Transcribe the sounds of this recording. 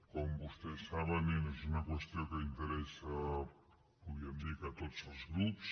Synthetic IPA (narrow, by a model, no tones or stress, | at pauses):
kombust̪esaβanines̬unakwest̪jokeint̪eɾesa | uβjemd̪ikat̪otzolzɣɾups